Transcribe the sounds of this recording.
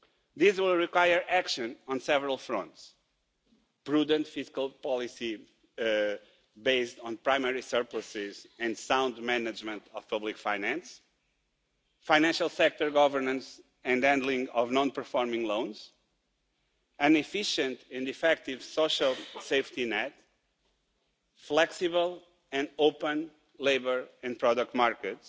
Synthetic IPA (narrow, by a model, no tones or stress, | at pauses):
ðizwilˠɹikwajə˞ʔækʃɨ̃nɔ̃nsɛvəɹalˠfɾɔ̃nt̪s | pɾud̪ə̃nt̪fiskalˠpɔlˠisi | beɪst̪ɔ̃npɹajmɛɹisɜɾpləsɪzɨ̃nd̪sãw̃nd̪mɛnɨd͡ʒmə̃nt̪ʰɔv̥pʌblikfajnæ̃ns | faɪnɛ̃nʃalˠsɛk̚t̪ɔɾɡɔvəɾnə̃ns | ɨ̃nd̪ɛ̃nd̪lˠĩŋɡɔvnɔ̃npəɾfɔɾmĩŋlõw̃nz̥ | ɨ̃nifiʃɨ̃nt̪ɛ̃nd̪ifɛk̚t̪ivsoʃalˠsejft̪inɛt̪ | flɛksiβəlˠ | ɛ̃ndopə̃n | leɪbə˞ɛ̃npɾɔdək̚t̪maɾkəts